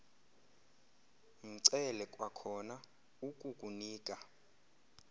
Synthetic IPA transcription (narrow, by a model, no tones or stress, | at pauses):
m̩ǀɛlɛkʼwakʰɔna | ukʼukʼuniːkʼa